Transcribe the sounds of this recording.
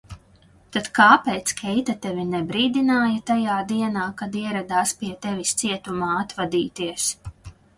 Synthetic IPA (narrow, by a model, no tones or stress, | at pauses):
t̪ad̪̥kaːpɛːt̪skʰʲɛjt̪at̪ɛvʲinɛbɾiːd̪inaːjɐt̪ajaːd̪iɛnaːkad̪iɛɾad̪aːspʲiɛt̪evist̪siɛt̪umaːat̪vad̪iːt̪iɛs